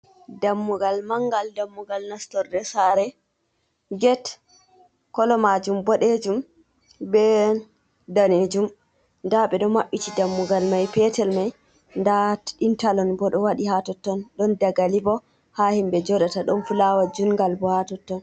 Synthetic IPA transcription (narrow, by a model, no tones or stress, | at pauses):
damːuɡalmaŋɡaldamːuɡalnastɔɾdɛsaɾɛ | ɡɛt | kɔlɔmad͡ʒumbɔɗed͡ʒum | bɛ | daned͡ʒum | ndaɓɛɗɔmaɓːitidamːuɡalmajpɛtɛlmaj | ndaintalɔnbɔɗɔwaɗihatɔtːɔnɗɔndaɡalibɔ | hahimbɛd͡ʒɔɗataɗɔnfulawad͡ʒunɡalbɔhatɔtːɔn